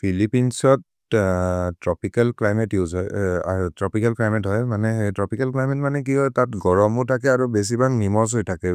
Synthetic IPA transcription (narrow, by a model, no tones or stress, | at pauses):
pʰilipinsɔt | tɹɔpikalklajmɛtjuzɔjatɹɔpikalklajmɛtɦɔjmanɛtɹɔpikalklajmɛtmanɛk̬iɦɔjtatɡɔɹɔmutʰakɛaɹubes̬ibaŋnimɔs̬ɔjtʰakɛ